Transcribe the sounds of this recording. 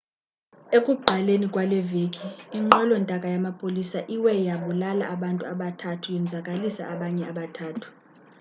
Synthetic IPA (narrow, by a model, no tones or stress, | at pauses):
ekʼuɡ͡ǃʱalenikʼwalɛveːkʼiːŋ͡ǃɔlɔntʼakʼajamapʼolisaʔiwɛjaɓulala̰ʔaɓantʼuaɓatʰatʰujɛnd͡zʱakʼalisa̰ʔaɓaɲɛaɓatʰaːtʰu̥